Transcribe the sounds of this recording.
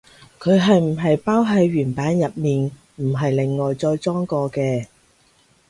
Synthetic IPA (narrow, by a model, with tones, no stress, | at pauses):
kʰɵ˨˧ɥɦɐ˨jm̩˨˩ɦɐ˨jpaː˥wɦɐ˨˧jɥyː˨˩npaː˨˥njɐ˨t̚miː˨n | m̩˨˩ɦɐ˨jlɪ˨ŋːɔː˨jt͡sɔː˧jt͡sɔː˥ŋkɔː˧kɛː˧